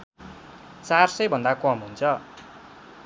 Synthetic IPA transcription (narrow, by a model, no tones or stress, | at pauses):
t͡sarsʌjbʱʌnd̪akʌmɦunt͡sʰʌ